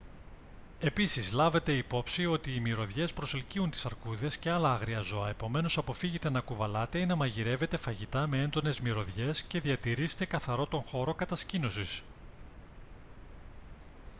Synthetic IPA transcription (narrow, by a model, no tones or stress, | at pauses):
e̞pisizlɐve̞t̪e̞ipo̞psio̞t̪iːmiɾo̞ðʝe̞spɾoselciunt̪i̥sɐɾkuðe̞sceɐlɐɐɣɾiɐzo̞ɐe̞po̞me̞no̞sɐpo̞fiʝet̪e̞nɐkuvɐlɐt̪e̞inɐmɐʝiɾe̞ve̞t̪e̞fɐʝit̪ɐme̞e̞nd̪o̞ne̞zmiɾo̞ðʝe̞sce̞ðiɐt̪iɾise̥t̪e̞kɐθɐɾo̞t̪o̞ŋxo̞ɾo̞kɐt̪ɐscino̞sis